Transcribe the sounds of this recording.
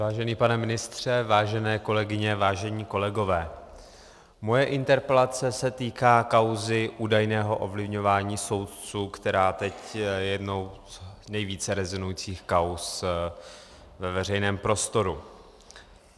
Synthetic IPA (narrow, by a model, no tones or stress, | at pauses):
vaːʒɛniːpanɛmɪnɪst̪r̝̥ɛvaːʒɛnɛːko̞lɛɡɪɲɛvaːʒɛɲiːko̞lɛɡo̞vɛː | mo̞jɛʔɪnt̪ɛɾpɛlat͡sɛsɛt̪iːkaːkawzɪʔuːdajnɛːɦo̞ʔovlɪvɲovaːɲiːso̞wt̪t͡suːkt̪ɛɾaːt̪ɛcjɛdno̞wznɛjviːt͡sɛɾɛzɪnujit͡siːxkaws | vɛvɛr̝ɛjnɛːmpɾo̞st̪o̞ɾu